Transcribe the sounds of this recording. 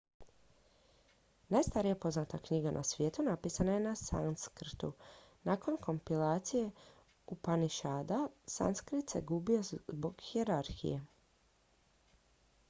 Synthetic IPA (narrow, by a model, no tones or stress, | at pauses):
najst̪aɾijapo̞znat̪akɲiɡanʔa̰sʋje̞ːt̪unapiːsanaje̞nasa̰nskr̩t̪ṵnako̞nko̞mpilaːt̪sije̞ | upaniʃaːd̪asa̰nskɾit̪seɡubio̞bo̞ɡxieɾaɾxḭje